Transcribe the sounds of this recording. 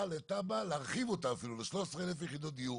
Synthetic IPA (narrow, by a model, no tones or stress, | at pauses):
let̪abalaʁχivot̪aːfiluleʃloʃesʁeelefjeχid̪ot̪iu